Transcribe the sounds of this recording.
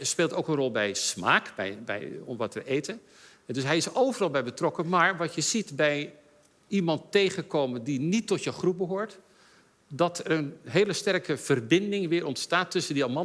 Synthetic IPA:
speːlˠtowkənrɔlˠbɛjsmaːkbɛ̰jbɛ̰jɔ̰mʋɑtʋəʔejtən | dɵsɦɛjɪsowvərɑlˠbɛjbətrɔkəmaːɹʋɑtjəzitbɛj | imɑntejχənkowməndinitːɔtjəχrup̚bəɦoːɹt | dɑtɛrənɦejləstɛrkəv̥ərbɪndɪŋʋɪːɾʔɔntstaːtːɵsəndiɑmɑ

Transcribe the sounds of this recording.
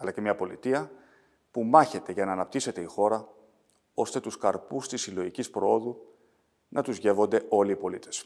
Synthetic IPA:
ɐlɐcemɲɐpo̞lit̪iɐ | pumɐçe̞t̪e̞ʝɐnɐːnɐp̚t̪ise̞t̪eixo̞ɾɐ | o̞st̪e̞t̪uskɐɾpust̪isilo̞ʝicispɾoo̞ðu | nɐt̪uzʝe̞vo̞nd̪e̞o̞liːpo̞lit̪e̞s

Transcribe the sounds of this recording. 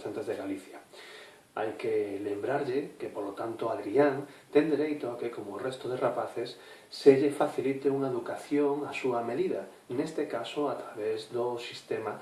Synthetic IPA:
θant̪ezðeɣaliθja | a̰jkelembɾaɾʎekepolot̪ant̪oaðɾiaŋ | t̪end̪eɾejt̪oakekomorɛst̪oðerapaθesː | eʎefaθilit̪euŋaeðukaθjoŋasuameðiða | nest̪ekasoat̪ɾaβezd̪osist̪ema

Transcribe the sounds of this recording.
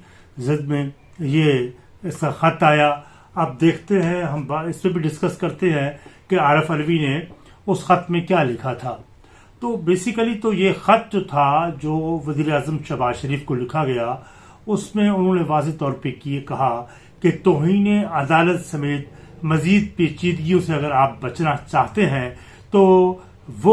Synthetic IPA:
zɪd̪̚mẽ | je | ɪsaxɐt̪aːja | aːp̚d̪eːkʰt̪eɦɛ̃ɦɐ̃mbaɪsmẽbʱiɖɪskɐskɐɾt̪eɦɛ̃keaːɾɪfɐɾʋine | ʊsxɐt̪mẽkjaːlɪkʰat̪ʰaː | t̪oːbeːsɪkəlit̪ojexɐt̪̚d͡ʒot̪ʰad͡ʒoːʋɐziːɾeaːzəmʃɐbaːzʃɐɾiːfkolɪkʰaɡɐja | ʊsmẽʊnɦõneʋaːzet̪ɔːɾpekiekɐɦa | ket̪oːɦiːneɐd̪aːlət̪sɐmeːt̪ | mɐziːd̪̚peːt͡ʃiːd̪ɡijõseɐɡəɾaːp̚bɐt͡ʃnat͡ʃaːɦt̪eɦɛ̃ | t̪oː | ʋo

